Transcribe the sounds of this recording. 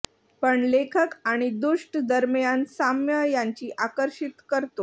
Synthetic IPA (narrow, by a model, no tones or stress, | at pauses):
pəɳlekʰəkaɽ̃id̪uʂʈd̪əɾmjansamjəjaɲt͡ɕiːʔakəɾɕit̪kəɾt̪o